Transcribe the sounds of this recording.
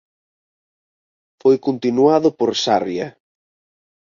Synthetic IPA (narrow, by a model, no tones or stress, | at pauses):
fojkont̪inuaðʊpoɾsarjɐ̰